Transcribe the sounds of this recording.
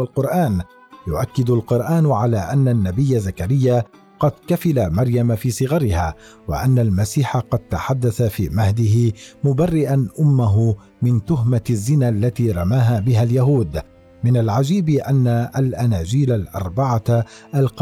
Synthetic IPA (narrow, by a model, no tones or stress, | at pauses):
alqʊɾʔaːn | jʊʔakːɪd̪ʊlqʊɾˤʔaːnʕalaːʔanːanːabɪjːazːakaɾɪjːa | qɑd̪kafɪlamɑɾˤjamafiːsˤɨɣɑɾɪhaːwa̰ʔanːalmasiːħaqɑd̪̚t̪aħad̪ːaθafiːmahd̪ɪɦɪmʊbarːɪʔanʔʊmːaɦʊ | mɪnt̪ʊɦmazːɪnaʔlːat̪iːɾˤɑmaːɦaːbɪɦaljaɦuːd̪ | mɪnalʕad͡ʒiːbɪʔanːaʔalʔanaːd͡ʒiːlalʔɑ̰ɾˤbaʕaʔalq